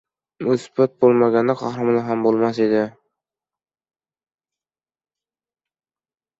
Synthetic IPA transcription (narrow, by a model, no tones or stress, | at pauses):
ɵsbat̪̚bolˠmaɡʲand̪aqʰɑhɾɑmɪnaɦambolˠmas̬ed̪ɪ